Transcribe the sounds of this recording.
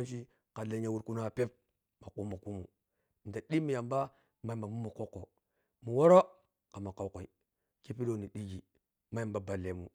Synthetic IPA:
nʃ̬i˦ | ka˨le˨ɲa˨wu˦ɾku˦na˦˨pe˦p̚ | ma˨ku˦ma˨ku˦mu˨ | n˨da˨ɗi˦mi˨ja˨mba˦ | ma˨jmba˨mu˦mu˨ko˦kːo˨ | mu˨wo˦ɾo˦ | ka˨ma˨ka˨˦ko˨i˨ | ki˦pi˦do˦ni˨ɗi˦ɡi˨ | ma˦a˨mba˨ba˨le˨mu˨

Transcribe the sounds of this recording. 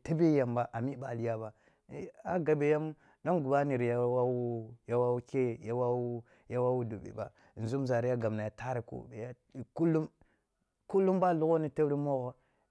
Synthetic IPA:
te˦be˦ja˨mba˨ʔa˨mi˦ba˨li˨ja˦ba˨˦ | a˦ɡa˨be˨ja˦m | ɗa˦nɡu˨ba˦ni˨ɾja˦wa˦wu˦ja˦wa˦u˦ke˦˨ja˦wa˦wu˦ | ja˦wa˦wu˦do˨bḛ˨ba̰˨ | n̩˨zu˦m˦za˨ɾi˦a˦ɡa˨m˨na˨ja˨ta˦ɾi˨ko̰˦be˨ja˦˨ | ku˦lːu˦m | ku˦lːu˦mba˦˨lu˦ɣo˦ni˦te˦wɾi˦mo˦ɣo˦

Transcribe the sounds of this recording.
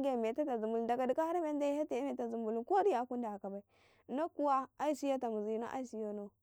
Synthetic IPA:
ɡe˦˨me˨ta˦ta˨zu˨mbu˨lu˨nda˨ka˨di˨ka˦ha˦ɾa˦me˦nda˦ha˦te˨˦me˨ta˨zu˨mbu˨lu˨ko˦di˦ja˨˦ku˦nda˨a˨ka˨ba˨i˨ | na˦ku˦wa˦a˦i˦si˦ja˦ta˨mu˨zi˨jna̰˦ʔa̰˦i˦si˦jo˦no˦

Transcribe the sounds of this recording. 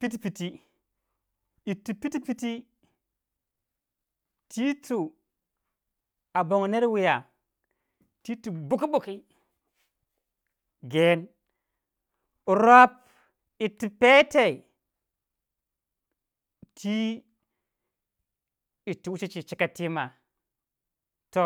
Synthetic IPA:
pi˦t̬i˦pi˨ti˦ | i˨tːu˨pi˦ti˦pi˦ti˦ | tʰi˦tu˨ | a˨bo˨ŋ˨ne˦ɾwi˨ja˨ | ti˦tu˨bu˦ki˦bu˨ki˦ | ɡe˨˦n˨ | ɾo˦p̚ | i˨tːu˨pe˦te˨i˨ | tʰi˦ | i˨tːu˨wu˦t͡ʃi˦t͡ʃi˨t͡ʃi˦ka˨ti˦ma˨ | to˦

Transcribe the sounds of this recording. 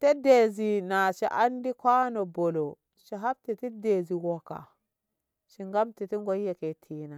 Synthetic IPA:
te˦de˨zi˨na˨ʃḭ˨ʔa˦ndi˦kʷa˦no˨bo˨lo˨ | ʃi˨ɦa˦b̚ti˨ti˦de˨zi˨wo˨ka̰˨ | ʃi˨ŋɡa˦mti˨ti˦ŋ˦ɡo˦je˨ke˨tʰi˦na˨

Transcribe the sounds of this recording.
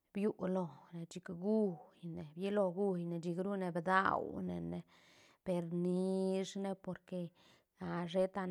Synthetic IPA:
bju˦ʔlo˧ne˨d͡ʒi˧kɡu˦jne˨bje˦lo˧ɡu˦jne˨d͡ʒi˧ɡɾu˦ne˧bd̪a̰˦˨wnḛ˨ne˧ | pe˧ɾni˧˦ʂne˦po˧ɾke˧ | a˨ʐe˦t̪a˧

